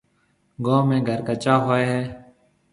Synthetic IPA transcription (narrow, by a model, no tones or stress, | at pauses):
ɡõːmẽːɡʱəɾkət͡ʃaːɦoːeːɦɛː